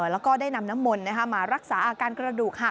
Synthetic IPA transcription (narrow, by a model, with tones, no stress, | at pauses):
lɛː˦˥wkɔː˥˩daː˥˩jna˧mna˦˥mːo˧nːa˦˥kʰa˦˥maː˧ɾa˦˥k̚saː˩˦ʔaː˧kaː˧nkɾa˧duː˨˩k̚ha˨˩